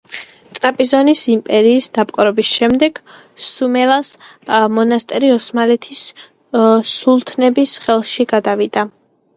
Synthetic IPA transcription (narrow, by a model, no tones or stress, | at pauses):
t̪ʼɾapʼizɔnisimpʼɛɾiːsd̪̥apʼqʼɾɔbisʃɛmd̪ɛɡ̥ | sumɛlasmɔnast̪ʼɛɾiɔsmalɛt̪ʰis | ulˠt̪ʰnɛbisχɛlˠʃiɡad̪avid̪a